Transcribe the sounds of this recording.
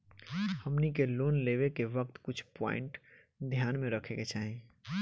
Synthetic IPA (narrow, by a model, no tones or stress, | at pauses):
həmnikeloːnleːʋekeʋək̚t̪kʊt͡ʃʰpɔ̰̃ːɪ̰̃ɳʈ | d̪ʱjaːnmẽɾəkʰeket͡ʃaːɦẽ